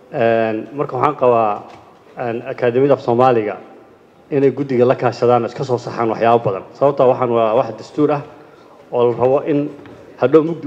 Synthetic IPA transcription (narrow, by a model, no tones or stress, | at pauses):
ʔɛːnmɐrkʰɐwɑħaːŋqɑβaː | ɛːnɐkʰaːðɛmɪðɐfsɔːmaːlɪɣɐ̰ | ɪnɛjɡʊd̪ɪɣɐlɐkʰaːʃɐðaːnɔːɪskʰɐs̬ɔːsɑħa̰ːnwɑħjaːβɐbɐðɐ̰nsɐβɐb̚t̪ʰaːwɑħɑːnwɑawɑħd̪ɐst̪ʰuːɾɐh | ɔːlɐrɐβɔʔɪn | hɐd̪ɔmʊɡd̪